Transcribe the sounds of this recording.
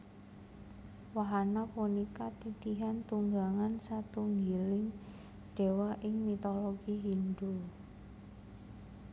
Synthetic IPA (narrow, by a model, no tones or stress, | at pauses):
waɦanapunikat̪it̪iɦant̪uŋɡaŋansat̪uŋɡilɪŋ | ɖ̥e̤waʔɪŋmit̪oloɡ̥iɦind̪u